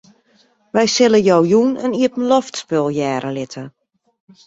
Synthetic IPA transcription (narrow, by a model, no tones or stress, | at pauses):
ʋɛjsɪləjɔwjunəniəpən̩lɔftspɪlˠjɛːɾʔəlɪtʰə